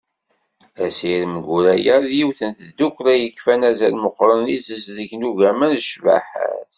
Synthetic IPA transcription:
æsiɾmɡʷuɾæjəɾðjiwθənθəd̪ukʷːɾæjəkːfænæzælməqːɾˤənisəsðəçnuʝæmænʃva̰ħæ̰θ

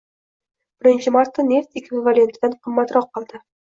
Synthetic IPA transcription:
b̥ɘ̆ɾɘ̆nʲɕɘmɑrt̪ːɤnʲeft̪ekʲvʲivalʲent̪d̪ænqɤ̆mːɑt̪ɾɑqːɑlˠd̪ɤ

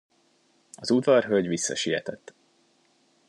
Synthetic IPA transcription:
ɒzud̪vɒrɦøɟvisːɒ̰ʃijɛt̪ɛt̪ː

